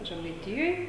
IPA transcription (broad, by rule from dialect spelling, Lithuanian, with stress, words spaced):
ʒʲɛmɐɪˈtʲɪjoːj